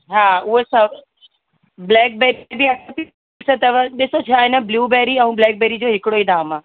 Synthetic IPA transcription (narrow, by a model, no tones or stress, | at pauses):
ɦaːʊɦesɐ | blɛːk̚beːɾbiɐtʰt̪i | sət̪ɐʋɗɪsot͡ɕʰaːɦɪnəbluːbɛːɾiɛ̃ũblɛːk̚beːɾid͡ʑoːɦɪkɪɽoĩːnd̪aɦmãː